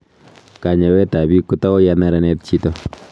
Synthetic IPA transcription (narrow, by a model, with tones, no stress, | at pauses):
ka˨ɲɛ˨wɛ˦ta˨bi˦kːu˦ta˦ɔ˦ja˦nɛ˦ɾa˦nɛ˦t̚t͡ʃi˦to˦